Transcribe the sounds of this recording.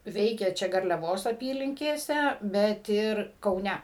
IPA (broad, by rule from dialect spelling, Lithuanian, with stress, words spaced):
ˈʋʲɛɪkʲeː ˈt͡ʃʲɛ ɡɐrʲlʲɛˈʋoːs ɐˈpʲiːlʲɪŋʲkʲeːsʲɛ bʲɛt ˈɪr kɐʊˈnʲɛ